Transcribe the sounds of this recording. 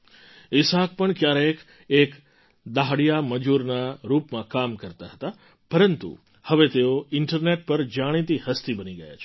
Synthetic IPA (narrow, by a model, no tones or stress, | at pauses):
ɪsak̚pəɳkjaɾek | ek | d̪aɦɽijaməd͡ʒuɾnaɾupmãkamkəɾt̪aɦət̪a | pəɾənt̪ṵ | həʋet̪eoɪɳʈəɾneʈ̚pəɾd͡ʒaɽ̃it̪ihəst̪ibəniɡəja̰t͡ʃʰ